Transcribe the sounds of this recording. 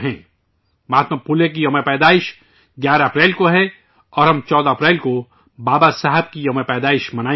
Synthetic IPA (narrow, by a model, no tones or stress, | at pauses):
ɦɛ̃ː | maːt̪məpulek̬ijɐmepɛːd̪aːɪʃ | ɡjaːɾaɐpɾɛːlkoɦɛ | ɔːɾɦɐmt͡ʃɔːd̪aɐpɾɛːlko | baːbasaɦəb̚kijɐmepɛːd̪aːɪʃmɐnaː